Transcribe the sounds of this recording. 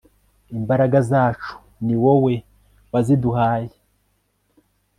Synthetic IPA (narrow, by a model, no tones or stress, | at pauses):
imbaɾaɡazaːt͡ʃu̥ | niwowe̞ | waziduɦaːje